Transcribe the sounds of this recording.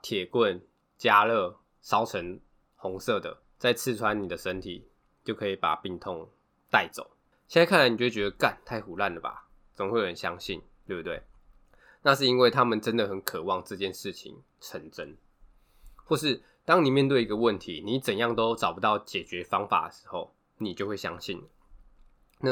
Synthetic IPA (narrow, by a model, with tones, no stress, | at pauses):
t̪ʰjɛ˨˩kwə˥˨n | t͡ɕja˦lə˥˩ | ʂɑ˥ʊʈ͡ʂʰə˧˦n | xʊ˧˦˥ŋsɤ˥˨d̪ə̰˩ | t͡sa˥˧ɪt͡s̩ʰ˥˩ʈ͡ʂʰwa˦ni˨˩d̪ə˨ʂə˦nt̪ʰḭ˨˩ | t͡ɕjo˥˩ʊkʰɤ˧˥i˨˩pa̰˨˩pi˥˧ŋt̪ʰo˥˧ŋ | t̪a˥˩ɪt͡so̰˨˩˦ʊ | jɛ˥nla˧˦kʰa˥˩na˦ɪni˨˩t͡ɕwt͡ɕɥɛ˧˥d̪ə˧ka˥˨nt̪ʰa˥˩ɪxu˨˩la˥˩nlə˩ba̰˨˩ | t͡sə˨˩ə˧˦we˥˩ɪjo˨˩ə˧˦nɕja̰˦˥ŋɕḭ˥˨ntt̪we˥˩bt̪we˥˩ɪ | na˥˧ʂ̬ɻ̩˥˩i˦˥nwe˥˩ɪt̪ʰa˥mə˨nʈ͡ʂə˦nd̪ə˨xə˨˦nkʰə˨˩wɑ˥˨˧ŋʈ͡ʂɤ˥˧t͡ɕjɛ˥˨nʂɻ̩˥˩t͡ɕʰḭ˨˦ŋ | ʈ͡ʂʰə˧˥nʈ͡ʂə˦˥n | xwɔ˥˧ʂ̬ɻ̩˥˩ | t̪ɑ˥ŋni˨˩mjɛ˥˧nt̪we˥˩ɪi˧˦ɡə˨˧wə˥˨˩nt̪ʰi˨˦ni˨˦t͡sə˨njɑ˥˩ŋt̪o˦ʊt͡sɑ˨˩ʊpu˧˦t̪ɑ˥˩ʊt͡ɕjɛ˨˩t͡ɕɥɛ˧˦fɑ˥ŋfa̰˨˩d̪ə˩ʂɻ̩̥˧˦xo˥˩ʊ | ni˨t͡ɕjo˥˧ʊxwe˥˩ɪɕjɑ̰˥ŋɕi˥˩nə˨˩ | na˥˨˩